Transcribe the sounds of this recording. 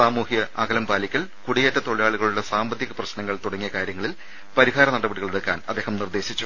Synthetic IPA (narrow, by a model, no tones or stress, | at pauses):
saːmuːhijɐaɡɐlɐmpaːlikʲːɐɭkuɽijeːtːɐt̪o̞ɭijaːɭuɣɐɭuɽesaːmbɐd̪jɐɣɐprɐɕnɐŋːɐɭt̪uɽɐŋːijɐkaːɾjɐŋːɐɭil | pɐɾiɦaːɾɐnɐɽɐbɐɽiɣɐɭeɽɐkːa̰ːnɐd̪ːe̞ːhɐmnird̪e̞ːɕit͡ɕːu